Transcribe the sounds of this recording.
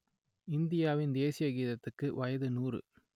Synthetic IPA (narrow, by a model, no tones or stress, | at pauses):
ɪnd̪ɪjaːʋɪnd̪eːsɪjɐɡiːðɐt̪ːɯkːɯʋɐjɐðɯnuːrɯ̰